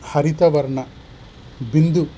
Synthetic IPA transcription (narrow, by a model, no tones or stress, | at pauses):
hɐɾit̪ɐʋɐɾɳɐ | bind̪u